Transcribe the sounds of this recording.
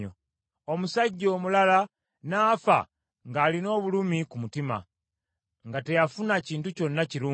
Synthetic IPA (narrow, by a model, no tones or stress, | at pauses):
o | omusaɟːo̞ːmulala | naːfa̰ | ŋɡaːlino̞ːβulumikumutima̰ | ŋɡate̞jafunaciːntuco̞nːaciɾuː